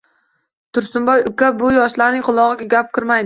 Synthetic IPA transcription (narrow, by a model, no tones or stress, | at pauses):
t̪ʰʊɾsʊmbɒjʊkʲʰabʊjɒʃlaɾnɪŋqʰʊlˠɒʁɨɡʲaɡʲap̚kʲʰɪɾmajd̪ɪ